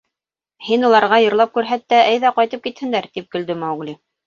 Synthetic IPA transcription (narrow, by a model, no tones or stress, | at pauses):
hinulˠɑɾʁɑjɤ̆ɾlˠɑp̚kʉɾɦæt̪ːæʔæjðæqɑjt̪ɤp̚kit̪hɘ̆nd̪æɾt̪ip̚kɵ̆ld̪ɘmɑwɡlʲi